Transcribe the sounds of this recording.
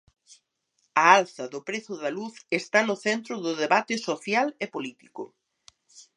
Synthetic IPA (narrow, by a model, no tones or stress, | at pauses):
ɐalθɐðʊpɾeθʊðɐluθest̪anʊθɛnt̪ɾʊðʊðeβat̪ɪsoθjalepolit̪i̥kʊ̰